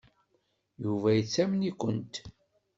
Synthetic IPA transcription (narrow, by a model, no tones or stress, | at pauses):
juvæjət͡sːæmənikʷənt̪